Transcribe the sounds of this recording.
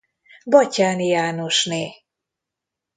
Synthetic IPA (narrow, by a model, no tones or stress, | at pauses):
bɒcaːnjaːno̞ʃneː